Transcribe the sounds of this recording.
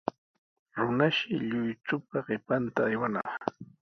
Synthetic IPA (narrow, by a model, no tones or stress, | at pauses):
ɾʊnaʃɪʎʊjt͡ʃʊpaɢɪpant̪aːjwanɑ̰χ